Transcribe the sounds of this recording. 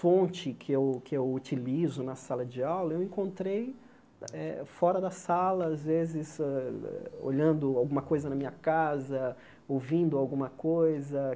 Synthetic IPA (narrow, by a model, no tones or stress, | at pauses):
fõnt͡ʃɪkʰɪewkɪewut͡ʃilizʊnɐsalɐd͡ʒɪawlɐewẽkõnt̪ɾej | ɛfɔɾɐd̪ɐsalɐazvezɪzɛɛ̰o̰ʎɐ̃nd̪ʊawɡũmɐkojzɐnɐmĩɲɐkazɐ | owvĩnd̪ʊawɡũmɐkojzɐ